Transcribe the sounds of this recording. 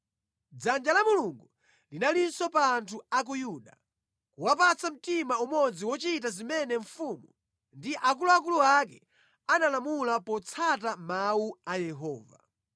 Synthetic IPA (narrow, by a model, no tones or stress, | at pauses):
d͡zand͡ʒalamuluŋɡu | linalinsɔpaːntʰuak̬ujuɗa̰ | kuwapat͡sʰam̩timaumɔd͡ziwɔt͡ʃit̬azimɛnɛɱfumu | ndiʔakuluak̬uluak̬ɛ | analamulapɔt͡sʰatamauajɛɦɔːva̰